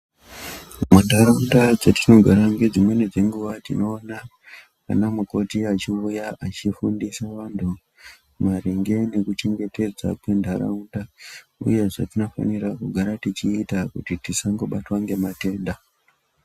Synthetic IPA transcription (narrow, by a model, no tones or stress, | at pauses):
mundʱaɾaundad͡zetino̞ɡʱaɾaŋɡed͡zimwe̞ne̞d͡ze̞ŋɡuʋatino̞ːna | a̰namuko̞tiat͡ʃiujaʔat͡ʃifundisaʋantʰu | maɾeŋɡe̞ne̞kut͡ʃe̞ŋɡe̞te̞d͡za̰kwe̞ndʱaɾa̰undaṵje̞ʐa̰tino̞fa̰nirakuɡʱaɾatit͡ʃiːtakutitisaŋɡo̞ɓatwaŋɡe̞mate̞ːnda